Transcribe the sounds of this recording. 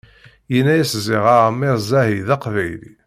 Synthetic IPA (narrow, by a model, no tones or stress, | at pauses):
jənːæjæszɪʁamːeɾˤzˤæɦiðɑqvæjlḭ